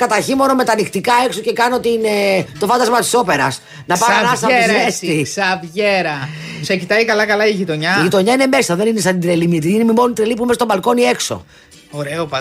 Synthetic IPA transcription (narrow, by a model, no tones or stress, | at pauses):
kɐt̪ɐɾçimo̞no̞me̞t̪ɐnixt̪ikɐe̞ksoce̞kɐno̞t̪inet̪o̞fɐnd̪ɐzmɐt̪i̥so̞pe̞ɾɐs | nɐpɐɐnɐɐsɐoɾesisɐvʝeɾɐ | secit̪ɐikɐlɐkɐlɐiʝit̪o̞ɲɐiʝit̪o̞ɲɐine̞me̞sɐðe̞ninesɐd̪id̪ɾelimit̪iinemimonit̪ɾelip̬umest̪obɐlko̞nie̞kso̞̰ | oɾeopɐ